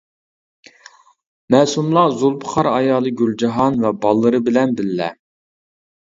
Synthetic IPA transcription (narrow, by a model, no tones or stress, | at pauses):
mɛːsumlˠɑzulˠpʰə̥χɑɾɑjɑːlˠɨɡʲyld͡ʒɑɦɑnvɛbɑlˠːɨɾɨbɪlɛnbɪllɛ